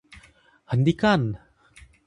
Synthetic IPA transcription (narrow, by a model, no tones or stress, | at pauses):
hənd̪ikan